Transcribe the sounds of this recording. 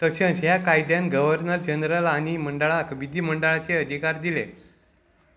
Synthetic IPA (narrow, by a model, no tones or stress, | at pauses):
t̪əɕə̃ɦjakajd̪janɡəʋəɾnəɾd͡ʑənɾəlaɽ̃iməɳɖəɭakəbid̪iːməɳɖəɭat͡seəd̪ʱikaɾd̪ilḛ